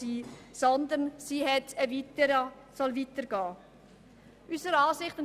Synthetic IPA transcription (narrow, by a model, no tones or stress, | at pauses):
iːsɔnd̪ənsiːɦɛtəvitəɾ | sɔlvitəɾɡ̥ɑː | ʔysəɾɑːsɪχtʊn